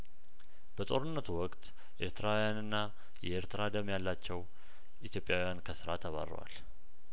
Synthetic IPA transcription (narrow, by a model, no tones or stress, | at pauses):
b̥ət̪ʼo̞ɾɨnːət̪ʰuwɔkʼt̪ | ʔe̞ɾt̪ʰɨɾawjanɨnːa | jɛʔeɾt̪ʰɨɾad̪əmjalːat͡ʃːɛw | ʔit̪ʰjo̞pʼjawjankʰəsɨɾa̰t̪ʰəβa̰rə̰wa̰l